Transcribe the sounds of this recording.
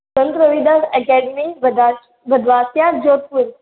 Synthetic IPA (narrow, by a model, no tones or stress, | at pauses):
sɐ̃nt̪ɾəʋid̪asɛkɛːɖimi | bɐd̪ʱʋaːsjad͡ʒoːt̪̚puɾ